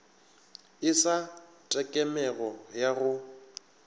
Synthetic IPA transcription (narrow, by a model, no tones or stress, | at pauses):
ɪsa | tʼɛkʼɛmɛɣɔjaɣʊ